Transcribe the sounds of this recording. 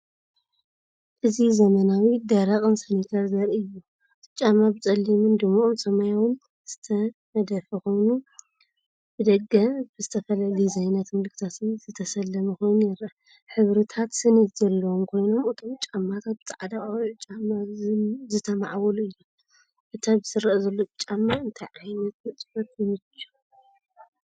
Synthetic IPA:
ʔɨzizɐmɐnawid̪ɐɾaχʼɨnsɐnit̪ʰɐɾzɐɾɨjːu | t͡ʃʼamabɨt͡sʼɐlːimɨnd̪ɨmːaʔomsɐmajawɨn | z̥ɨt̪ʰɐmɐd̪ɐfɐko̞jnu | b̥ɨd̪ɐɡːɐfbɨzɨt̪ʰɐfɐlalizajnɐt̪mɐlɨkʰt̪ʰat̪ɨz̥ɨt̪ʰɐsɐlːɐmuko̞jnjɛɾa | ħɨβɾɨt̪ʰat̪sɨnit̪zɐlːɐwomkʰo̞jno̞mɨt̪ʰo̞mt͡ʃʼamːat̪ʰat̪̚bɨt̪ʰʼʕad̪aʔʼawt͡ʃʼamːazɨt̪ʰɐma̰ʕwɐluɨjːum | ʔɨt̪ʰabɨsɨɾːɐʔzɐlːot͡ʃʼamːaɨnt̪ʰajʕajnɐt̪̚mɨt͡sʼfɐt̪̚jmɨt͡ʃːu̥

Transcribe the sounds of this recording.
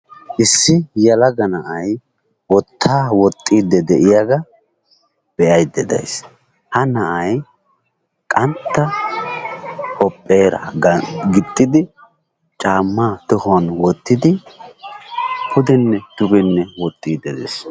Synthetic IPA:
ʔɪsːɪjɐlɐɡɐnɐʔɐj | wɔt̪ʰːaːwɔt̪ʼːid̪ɛd̪ɛʔɪjaɡɐ | b̥ɛʔɐjd̪ɛd̪ɐ̰js | hɐnɐʔɐj | kʼɐnt̪ːɐ | kʼɔpʼːeːɾɐ̰ɡɪt̪ʼːɪd̪ɪ | t͡ʃʼaːmːaːt̪ɔhʊɐnwɔt̪ːɪd̪ɪ | pʰʊd̪ɛnːɛd̪̥ʊbɛnːɛwɔt̪ʼːiːd̪ɛd̪ɛ̰s

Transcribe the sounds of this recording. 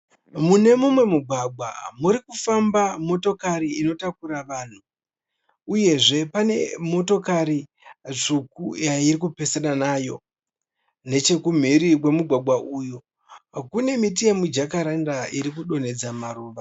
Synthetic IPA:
mune̞mumwe̞muɡʱwaɡʱwa̰muɾikufambamo̞to̞kaɾiino̞takuɾaʋaːn̤u | uje̞ʐe̞pane̞̰mo̞to̞kaɾi | t͡ʂukujaiɾikupesananaːjo̞̰ | ne̞t͡ʃe̞kum̤iɾikwe̞muɡʱwaɡʱwaʔuːju | kune̞mit̬ijemud͡ʒakaɾandaiɾik̬uɗo̞n̤e̞d͡zamaɾuːʋa

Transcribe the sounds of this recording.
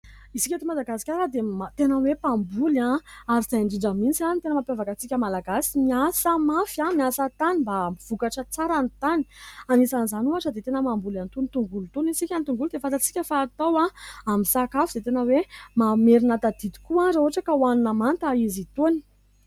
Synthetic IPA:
isi̥kʲat̪omad̪aɡasi̥kʲaɾad̪emat̪enəwepambulãaɾiz̥ajɳɖ͡ʐiɳɖ͡ʐəmint͡sianit̪enəmapjavakat͡sikʲəmalaɡasimiasəmafãmiasat̪animbamiv̥ukaʈ͡ʂət͡saɾanit̪ani̥anisanzanuaʈ͡ʂəd̪et̪enəmambulant̪unit̪uŋɡulut̪unisikʲant̪uŋɡuld̪efat̪at͡si̥kʲəfaːt̪awãamisakafiz̥et̪enəwemameɾinat̪ad̪id̪i̥kuazaoaʈ͡ʂakəuanunamant̪aizit̪oni̥

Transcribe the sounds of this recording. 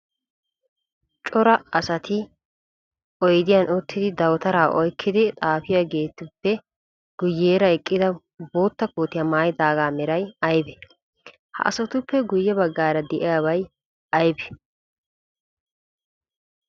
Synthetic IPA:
t͡ʃʼɔɾɐɐsɐt̪ʰɪ | ʔɔjd̪ɪjanʔɔt̪ːɪd̪ɪd̪ɐwt̪ɐɾaːʔɔjkʰːɪd̪ɪt̪ʼaːfɪjaɡe̞ːt̪ːʊpːɛ | ɡ̥ʊjːeːɾɐɛkʼːɪd̪ɐ | boːt̪ːɐkuːt̪ɪjɐmaːjd̪aːɡaːmɛɾɐjɐjbɛ | hɐ̰ʔɐ̰sɔt̪ʊpːɛɡʊjːɛbɐɡːaːɾɐd̪ɛʔɪjabɐj | ɐjbɛ̥

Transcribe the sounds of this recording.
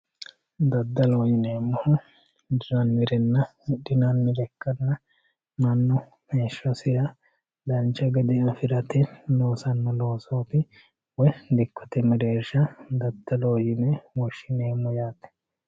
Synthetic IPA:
d̪ɐd̪ːɐlo̞ːjɪneːmːɔhʊ | d̪ɪɾɐnːɪɾɛnːɐɗɪnɐnːɪɾɛkːɐnːɐ | mɐnːɔ | meːʃːɔsɪjɐ | d̪ɐnt͡ʃːɐɡɛd̪ɪɐfɪɾɐt̪ɛlo̞ːsɐnːɐlo̞ːsoːt̪ɪ | wɔjd̪ɪkːɔ̥t̪ɛmɛɾeːɾʃɐd̪ɐd̪ːɐlo̞ːjɪnɛwɔʃːɪneːmːɔjaːt̪ːɛ̥

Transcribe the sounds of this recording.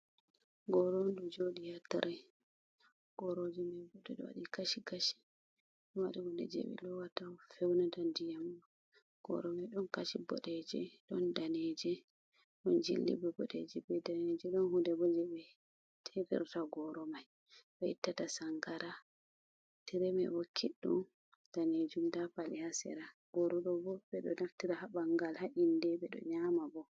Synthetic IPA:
ɡɔɾondud͡ʒoɗijatːaɾʔɛ | ɡ̥ɔɾod͡ʒimɛbudɛɗɔ̰wa̰ɗikaʃikaʃi̥ | ɗɔwaɗiwundɛ̰d͡ʒɛ̰ɓɛ̰lɔwatafɛwnadandijamɔ | ɡ̥ɔ̰ɾɔmajɗɔnkaʃibɔ̰ɗɛd͡ʒɛ̰ɗɔndanɛd͡ʒɛ | ɗɔnd͡ʒḭlːḭbɔbɔɗed͡ʒɛbɛdaned͡ʒɛɗɔnhudɛbɔd͡ʒɛbɛ | tʰɛpɛ̰ɾtaɡɔɾɔmaj | ɓɛitːatasaŋɡaɾa | tiɾɛmɛ̰bɔkʰiɗːṵn | d̥aned͡ʒumdapalihasɛ̰ɾaɡ̥oɾuɗɔbɔbɛɗɔnaftiɾahabaŋɡalhaʔindɛɓɛɗɔ̰ɲamabɔ

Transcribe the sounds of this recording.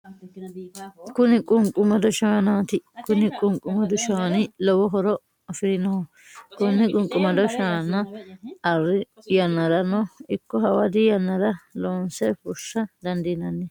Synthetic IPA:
kʊnɪkʼʊŋkʼʊmɐd̪ɔʃaːnaːt̪ɪkʊnɪkʼʊŋkʼʊmɐd̪ʊʃaːnɪlɔwɔɦɔɾɔ | ɐfɪɾɪnɔhɔ | kʊnːɪkʼʊŋkʼʊmɐd̪ɔʃaːnːɐɐrːɪjɐnːɐdɐnɔɪkːɔɦɐwɐd̪ɪjɐnːɐɾɐloːnsɛfʊʃːɐd̪ɐnd̪ɪnɐnːɛ

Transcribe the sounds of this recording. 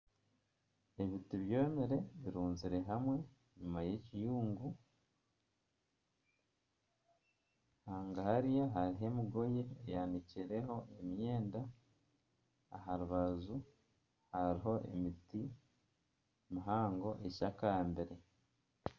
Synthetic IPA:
e̞βitiβjo̞ːmiɾe̞βiɾuːnziɾe̞ɦamwe̞ | ɲumaje̞cijuːŋɡu | haːŋɡahaɾijaɦaɾiɦe̞miɡo̞je̞ːjaniciɾe̞ɦo̞emje̞ːnda | ɦaɾuβazu | haɾiɦo̞ʔḛmiti | miɦaːŋɡo̞ʔe̞ʃakambeɾe̞

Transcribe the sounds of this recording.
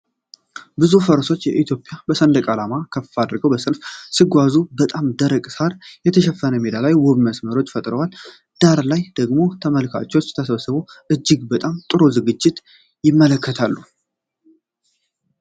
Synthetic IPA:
bɨzufəɾso̞t͡ʃːjɛʔit̪jo̞pʼjabəsənd̪əkʼalamakʰəfːad̪ɾɡəwbəsəlfsɨɡʷazubət̪ʼamd̪əɾəkʼsaɾjɛt̪ʰəʃɛfːənəmed̪alajwɔβməsməɾo̞t͡ʃːfət̪ʼɾəwal | d̪̥aɾlajd̪̥əɡmo̞t̪ʰəməlkʰa̰t͡ʃːɛot͡ʃːt̪ʰəsəβəsɨβo̞ʔɨd͡ʒːɪɡbət̪ʼamt̪ʼɨɾozɨɡɨd͡ʒːɪt̪ | jɪmːələkːət̪ʰalːu

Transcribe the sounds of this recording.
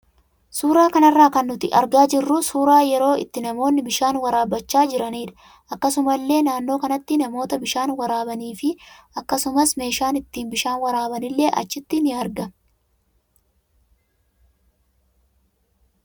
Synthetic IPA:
suːɾaːkɐnɐrːaːkɐnːʊt̪ɪʔɐ̰ɾɡaːd͡ʒɪrːusuːɾaːjɛɾo̞ːɪ̰t̪ːɪnɐmo̞ːnːɪbɪʃaːnwɐɾaːbɐt͡ʃːaːd͡ʒɪɾɐniːᶑɐ̥ | ʔɐkːɐsʊmɐlːe̞ːnaːnːo̞ːkɐnɐt̪ːɪnɐmo̞ːt̪ɐbɪʃaːnwɐɾaːbɐniːfɪʔɐkːɐsʊmɐsme̞ːʃaːnɪt̪ːiːnbɪʃaːnwɐɾaːbɐnɪlːe̞ːʔɐ̰t͡ʃːɪt̪ːɪnɪɐɾɡɐ

